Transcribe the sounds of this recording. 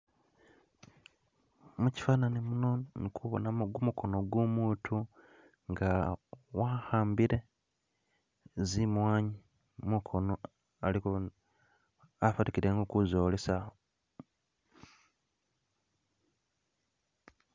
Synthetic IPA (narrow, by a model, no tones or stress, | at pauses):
muci̥faːnanimunonikʰuβo̰naɡumuko̞noɡwumuːtʰu | ŋɡawahaːmbiɾe̞ | zimwaːɲi | mukʰono | aliko | afatikiɾeŋɡokuzoːlesaho